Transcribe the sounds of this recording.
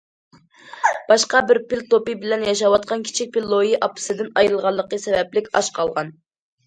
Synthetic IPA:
b̥ɑʃqɑbɪɾpɪlt̪opɨbɪlɛnjɑʃ̬ɑwɑt̪̚qʰɑnkʲʰi̥t͡ʃʰik̚ʲpʰilːojiʔɑpɨ̥sɨd̪ɪnɑjɾɨlˠʁɑlˠːəqəsɛvɛplɪkʲɑ̰ʃqʰɑlˠʁɑn

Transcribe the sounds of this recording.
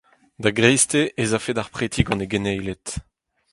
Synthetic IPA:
d̪aɡʁejst̪eʔezafedaʁpχet̪ʰiɡɑ̃neɡenɛjlɛt̪

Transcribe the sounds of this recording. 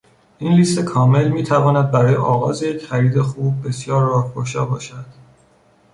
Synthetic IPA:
ʔiːnliːst̪e̞kʰɒːme̞lmiːt̪ʰævɒːnæd̪̚bæɾɒːjeʔɒːɣɒːzejecʰχæɾiːd̪exuːb̚ːe̞sjɒːɾːɒːhpʰoɾʃɒːbɒːʃæd̪̥

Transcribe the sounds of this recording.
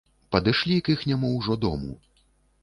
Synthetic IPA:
pɐd̪ɨʂlʲikixnʲamuwʐɔd̪ɔ̰mṵ

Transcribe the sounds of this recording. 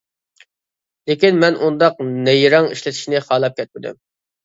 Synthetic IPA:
lekʲinmɛnʔund̪ɑq̚nɛjɾɑŋiʃlɪt̪ʰiʃnɪχɑːlˠɑp̚kʲʰɛt̪̚mɪd̪y̰m

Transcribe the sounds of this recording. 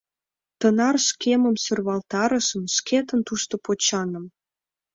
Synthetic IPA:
t̪ə̆nɑrʃkemə̆msørβɑlt̪ɑɾə̆ʃə̆mʃket̪ə̆nt̪uʃt̪opot͡ɕɑnə̆m

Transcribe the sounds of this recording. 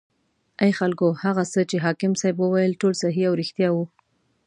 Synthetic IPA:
ajxalkohaɣasət͡ʃeɦɑkɪmsajbwəwajəlʈolsaɦiawɾɪxt̪jɑwu

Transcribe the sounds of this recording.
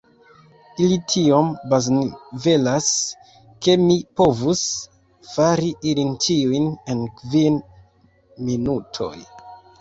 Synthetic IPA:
ilitʰio̞mbaznve̞las | ke̞mipo̞vus | faɾiʔilintʰiujne̞nkvin | minutʰo̞̰j

